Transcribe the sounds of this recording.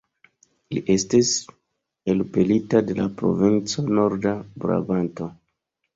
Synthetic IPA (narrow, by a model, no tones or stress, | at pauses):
liʔe̞stis | e̞lpelitade̞lapɾo̞̰vint͡so̞no̞ɾdabɾa̰banto̞